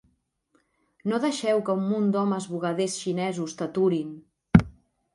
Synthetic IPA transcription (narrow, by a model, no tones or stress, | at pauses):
noðəʃɛwkəumːund̪ɔməzβuɣaðesʃinɛzust̪ət̪uɾin